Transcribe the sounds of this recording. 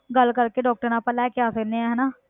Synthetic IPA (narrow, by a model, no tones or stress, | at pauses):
ɡəlkəɾkeɖɔːk̚ʈəɾnãpəlaekjaːsəkneɛ̃ɦɛːnaː